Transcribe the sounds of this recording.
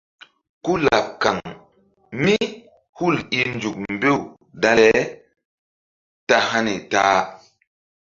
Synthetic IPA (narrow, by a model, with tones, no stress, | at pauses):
ku˦la˨p̚kːa˨ŋ | mi˦ | hu˦˨li˨nd͡ʒu˨k̚m˨be˦˨ | da˦lɛ˦ | ta˦ha˦ni˨taː˦